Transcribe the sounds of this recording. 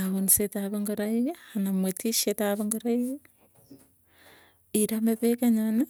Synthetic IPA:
aβonisetaβeŋɡoɾaijehanamwetʰiʃetaβeŋɡoɾaije | iɾameβekaɲane

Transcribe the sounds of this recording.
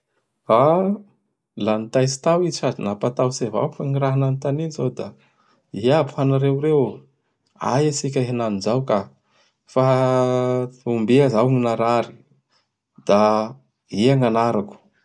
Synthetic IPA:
a | lanit̪ajsi̥t̪awiadinapat̪awseva̰wufaŋiɾaɦananit̪aninzawd̪a | iapfanaɾewɾew | a̰jasikʲaɦenanizawka | fa | umbiazawŋinaɾaɾi̥ | d̪̥a | iaŋanaɾaku̥

